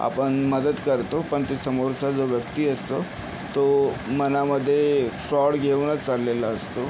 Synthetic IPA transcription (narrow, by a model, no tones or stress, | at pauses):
a̰pəɳməd̪əd̪kəɾt̪opəɳt̪esəmoɾsad͡zoʋjəkt̪iːəst̪o | t̪omənaməd̪ʱːjefɾɔɽɡʱeʋnat͡salːelaəst̪o